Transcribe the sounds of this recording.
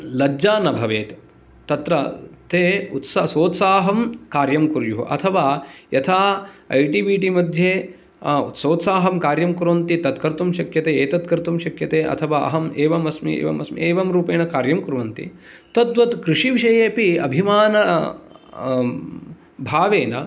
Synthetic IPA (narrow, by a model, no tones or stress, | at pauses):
lɐd͡ʒaːnɐbʱɐʋeːt̪ | t̪ɐt̪ɾɐt̪eːut̪sasoːt̪saːɦɐmkaːɾjɐmkuɾjuɦṵʔɐ̰t̪ʰɐʋaːjɐt̪ʰaːɐjʈiʋiʈimɐd̪ʱjeː | ṵt̪soːt̪saːɦɐmkaːɾjɐmkuɾʋɐnt̪it̪ɐt̪kɐɾt̪umʃɐkjɐt̪eːeːt̪ɐt̪̚kɐɾt̪umʃɐkjɐt̪eːʔɐ̰t̪ʰɐʋaːɐ̰ɦɐmeːʋɐmɐsmḭḛːʋɐ̰mɐsmḭeːʋɐmɾuːpeːnɐkaːɾjɐmkuɾʋɐnt̪ḭ | t̪ɐd̪ʋɐt̪kɾɪʂiʋiʃɐjeːpiɐ̰bʱimaːnɐ | bʱaːʋeːnɐ